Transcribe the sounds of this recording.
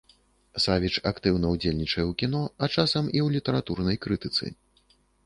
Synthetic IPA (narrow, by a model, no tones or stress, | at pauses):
savʲit͡ʂakt̪ɨwnɐwd͡zʲelʲnʲit͡ʂɐjɛwkʲin̪ɔat͡ʂasɐmiwlʲit̪ɐɾat̪urnɐjkɾɨt̪ɨt̪sɨ̰